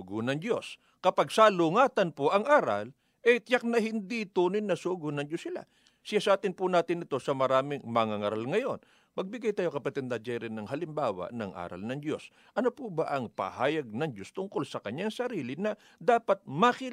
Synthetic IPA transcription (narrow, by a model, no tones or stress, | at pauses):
ɡʊnɐŋd̪jo̞̰s | kɐpaɡsalʊŋaːt̪ɐnpʊʔɐŋʔaːɾɐ̰l | ʔɛjt̪jak̚nɐhɪnd̪it̪uːnɪnːɐsuɡʊnɐŋd͡ʒosɪla̰ | sɪjasɐʔaːt̪ɪnpʊnaːt̪ɪnɪt̪o̞sɐmɐɾaːmɪŋmɐŋaŋaɾalŋɐjo̞n | mɐɡ̚bɪɡajt̪aːjokɐpɐt̪ɛd̪̚nɐd͡ʒajɾɪnːɐŋɦɐlɪmbaːwɐ̰nɐŋʔa̰ːɾɐ̰lnɐŋd̪jo̞s | ʔɐnopubɐʔɐŋpɐ̰haːjɐɡ̚nɐŋd͡ʒ̪o̞st̪ʊŋkolsɐkɐɲːaŋsɐɾiːlɪnɐ | d̪aːpɐt̪̚mɐkɪ